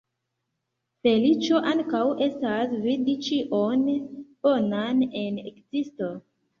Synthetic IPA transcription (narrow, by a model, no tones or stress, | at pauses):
fe̞lit͡ʃo̞ʔaŋkawe̞stasvidit͡ʃiʔonb̥onane̞nḛkzisto̞